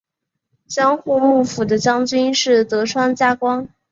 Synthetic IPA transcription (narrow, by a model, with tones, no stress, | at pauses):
t͡ɕjɑ˥ŋxu˥˧mu˥˩fu˨˩d̪ə˦t͡ɕjɑ˥ŋt͡ɕy˥nʂɻ̩˥˩t̪ɤ˧˥ʈ͡ʂʰwa˥nt͡ɕja˥kwɑ˥ŋ